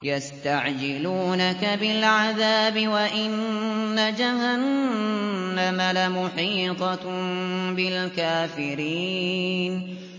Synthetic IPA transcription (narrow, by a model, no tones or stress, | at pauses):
jast̪aʕd͡ʒɪluːnakabɪlʕaðaːbɪwaʔɪnːad͡ʒahanː | amalamʊħiːt̪ˤɑ | bɪlkaːfɪɾiːn